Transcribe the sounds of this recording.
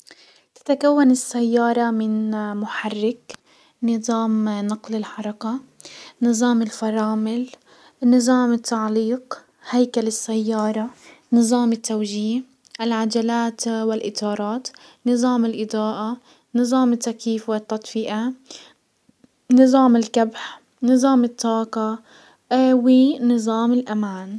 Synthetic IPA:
t̪ḁt̪akawːanɪsːajːɑːɾˤɑmɪnmʊħarːɪk | nɨðˤɑːmnɑqlɪlħɑɾˤɑka | nɨzˤɑːmɪlfɑɾˤɑːmɪl | nɨzˤɑːmɪt̪ːaʕliːq | hajkalɪsːajːɑːɾˤɑnɨzˤɑːmɪt̪ːawʒiːh | ʔɪlʕad͡ʒalaːt̪wɪlʔɪt̪ɑːɾˤɑːt̪nɨzˤɑːmɪlʔɪd̪ˤɑːʔa | nɨzˤɑːmɪt̪ːakiːfwɪt̪ːɑt̪ˤfɪʔa | nɨzˤɑːmɪlkabħ | nɨzˤɑːmɪt̪ːɑːqɑ | winɨzˤɑːmɪlʔamaːn

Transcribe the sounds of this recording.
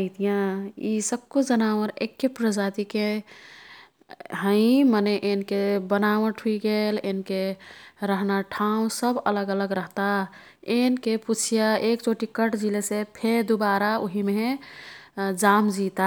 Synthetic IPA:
ɪt̪ijãisəb̚kud͡ʒənaʋəɾḛkːepɾəd͡ʒat̪ike | ɦə̃ɪ̃məneʔenkebənawəʈʰuiɡelenkeɾəɦnaʈʰaũsəbə̰ləɡələɡɾəɦt̪a | enkeput͡ʃʰijaekt͡ʃoʈikəʈd͡ʒilesepʰed̪ubaɾaoɦime | d͡ʒamd͡ʒit̪a

